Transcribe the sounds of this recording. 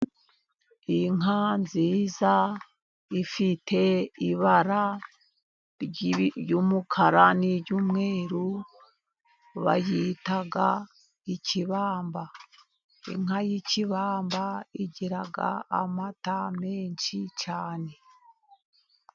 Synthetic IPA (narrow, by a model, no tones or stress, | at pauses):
iŋɦanziːza | ifitʰe̞iβaɾa | ɾɟjumukʰaɾaniɾɟuːmŋe̞ːɾu | βa̰jitaɡa | iciβaːmba | ḭŋ̥ɦajiciβaːmbaiɟiɾaɡa̰ːmatame̞ːnʃit͡ʃaːne̞